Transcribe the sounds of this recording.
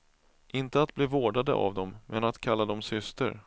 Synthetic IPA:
ʔɪnt̪əat̪̚bliːvoːɖad̪ə̰ʔa̰vd̪ɔmːʔɛnat̪kʰalːad̪ɔmsʏst̪ə̰ɾ

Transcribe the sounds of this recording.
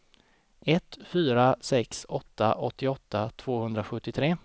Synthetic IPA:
ɛt̪fyːɾasɛksɔt̪ːa̰ʔɔt̪ːɪɔt̪ːat̪ʰv̥oːhɵnd̪ɾaɧɵt̪ːɪt̪ʰɾeː

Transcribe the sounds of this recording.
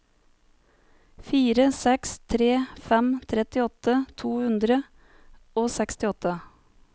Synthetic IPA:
fiːɾəsɛkst̪ʰɾeːfɛmt̪ʰɾɛt̪ɪɔt̪ət̪ʰuːhʉnd̪ɾə | oːsɛkst̪ɪɔt̪ʰə

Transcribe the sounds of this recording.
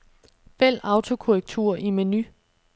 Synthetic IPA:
fel̰ɑ̈ʊt͡sʰo̝kʰoʁɛɡ̥̚t͡sʰuɐ̰ʔimeny

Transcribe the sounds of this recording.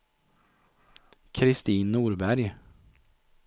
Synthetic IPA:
kʰɾɪst̪iːnːuːɾbæɾj

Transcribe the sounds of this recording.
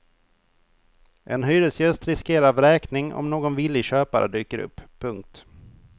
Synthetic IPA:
ʔɛnɦyːɾəlsjɵst̪ɾɪskeːɾavɾɛːknɪŋɔ̰mnoːɡɔnvɪlːɪɕøːpaɾə̰d̪yːkəɾɵ̰pːʰɵŋk̚t̪

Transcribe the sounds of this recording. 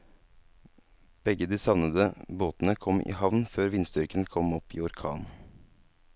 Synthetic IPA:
b̥ɛɡəd̪iːsɑʋnəd̪əboːt̪n̩əkʰɔmʔḭːhɑʋnføːɾʋɪnsd̪ʏɾkənkʰɔmɔpḭːɔɾkʰɑːn

